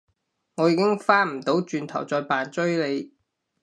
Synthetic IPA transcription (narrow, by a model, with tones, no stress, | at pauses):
ŋɔː˨˧jiː˨˧kɪ˥ŋfaː˥m̩˨˩t̪o˨˥wt͡ʃyː˧nt̪ʰɐ˨˩wt͡sɔː˧jpaː˨nt͡sɵ˥ɥle˨˧j